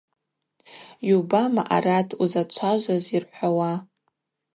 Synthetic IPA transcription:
jubamaʔa̰ratʰuzat͡ʃʷʰaʒʷazirħʷawa

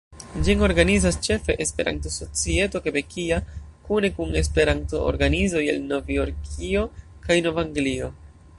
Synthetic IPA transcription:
d͡ʒino̞ɾɡanizast͡ʃe̞fe̞ʔespe̞̰ɾa̰nto̞so̞t͡sie̞to̞kebe̞kʰiakune̞kune̞spe̞ɾanto̞o̰ɾɡanizo̞jḛlno̞vio̞ɾkʰio̞kajno̞vaŋɡlio̞

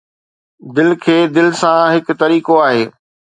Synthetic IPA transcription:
d̪ɪlkʰeːd̪ɪlsãɦɪkt̪ɐɾiːkoaːɦeː

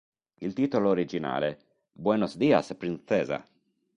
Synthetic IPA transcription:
ilt̪iːt̪oloːɾid͡ʒina̰ːle | bwɛnosd̪iːa̰spɾinsɛːza̰

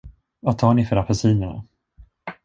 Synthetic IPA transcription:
vat̪ʰɑːɳɪfœɾapʰɛsiːnəɳa̰

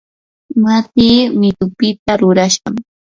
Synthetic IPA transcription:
mat̪iːmɪt̪ʊpɪt̪aɾʊɾaʃa̰ŋ

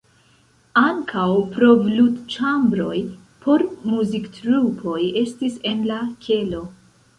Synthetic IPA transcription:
aŋkʰawpɾo̞vludt͡ʃambɾo̞̰j | pʰo̞ɾmuziktɾupʰo̞je̞stise̞nlakʲʰe̞lo̞

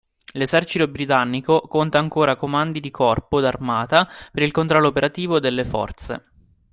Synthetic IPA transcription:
lezɛrt͡ʃit̪obɾit̪anːikokont̪aːŋkoːɾakomand̪id̪ikʰɔrpod̪armaːt̪apeɾilkont̪ɾɔlːoːpeɾat̪iːvod̪elːefɔ̰rt̪sḛ

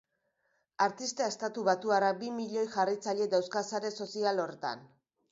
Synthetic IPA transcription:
aɾt̪ist̪aest̪at̪uβat̪uaɾabimiʎo̞jʝarit͡saʎe̞d̪awskasaɾe̞so̞sialo̞ɾet̪a̰n

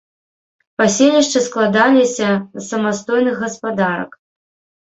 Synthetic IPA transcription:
pasʲelʲiʂt͡ʂɨsklˠad̪alʲisʲɐsɐmast̪ɔjnɨɣɐspad̪aɾɐ̰k

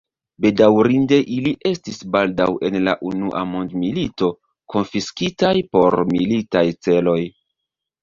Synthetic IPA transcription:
be̞dawɾinde̞ʔiliʔe̞stisbaldawʔe̞nla̰ʔunuʔa̰mo̞ndmilito̞ | ko̞nfiskitajpo̞ɾmilitajt͡se̞lo̞j

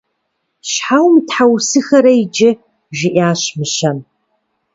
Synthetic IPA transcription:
ɕħawmtħawsɨxɐɾɐjd͡ʒɪ | ʒɪʔaːɕmɨʃɐn

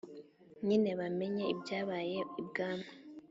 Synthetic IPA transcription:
ɲine̞βame̞ɲeibɟaːβaːje̞ib̚ɡaːma

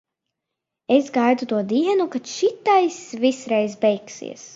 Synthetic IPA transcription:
esɡajd̪ut̪uɔd̪iɛnukat̪ʃit̪ajsvisɾɛjzbɛjksḭɛs

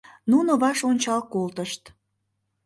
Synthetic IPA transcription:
nunoβɑʃonʲt͡ɕɑlkolt̪əʃt̪

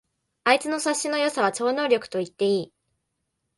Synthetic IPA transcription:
ait͡sɨno̞saɕːino̞jo̞saβ̞at͡ɕo̞ːno̞ːɾʲokɯ̟̥t̪o̞it̪ːe̞iː

